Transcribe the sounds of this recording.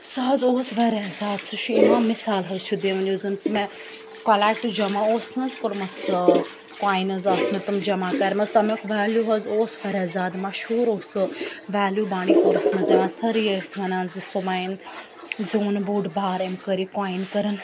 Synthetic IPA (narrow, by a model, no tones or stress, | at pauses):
sɐɦɐzoːsʋɐɾezaːd̪sɐʃuimãːmɪsaːlɦɐzt͡ʃʰud̪eːʋɐnʲd͡ʒoːzɐnsmẽ | kɐlaːkʈ̪ud͡ʒɐmaoːsnɐzkɐɾmɐs | kwaːinɐzɐsnɐt̪ɐmd͡ʒɐmaːkɐɾmɐst̪ɐmekʰʋaːljuɦɐzoːsʋɐɾezaːd̪maʃuːɾoːsɨʋaːljubaːɽ̃iːkoɾsnɐzeʋãːsɐɾiːɐsmɐnaːnzisomaːin | zoːnbuːɖbaːɾemkəɾikwaːinkɐɾɐn